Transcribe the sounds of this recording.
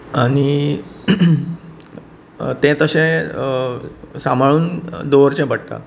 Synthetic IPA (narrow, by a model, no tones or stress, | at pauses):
aɽ̃i | t̪ɛ̃t̪əɕẽ | samaɭuːnd̪oʋəɾt͡ɕɛ̃bəɽt̪a̰